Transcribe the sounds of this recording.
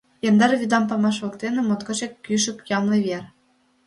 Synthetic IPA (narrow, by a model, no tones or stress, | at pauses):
jɑnd̪ɑrvʲyd̪ɑmpɑmɑʃʋɤ̆kt̪ʲenʲĕmŏt̪kɤ̆t͡ɕekːʲyʃɘ̆pʲjɑmlˠɤvʲerʲ